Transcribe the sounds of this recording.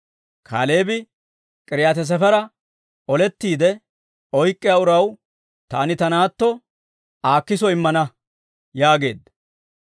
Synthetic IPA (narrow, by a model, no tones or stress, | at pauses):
kʰa̰ːleːbɪ | kʼɪɾɪjaːt̪̬ɛs̬ɛfɛɾɐ | ɔlɛt̪ːiːd̪ɛ | ɔjkʼːɪjaːʊɾɐw | t̪a̰ːnɪt̪ɐnaːt̪ːɔ | aːkːɪsɔɪmːɐnɐ | jaːɡe̞ːd̪ɐ